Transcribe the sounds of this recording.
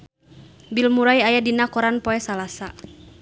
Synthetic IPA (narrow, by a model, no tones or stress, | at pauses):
bilmuɾajajadinakɔɾanpɔɛsalasa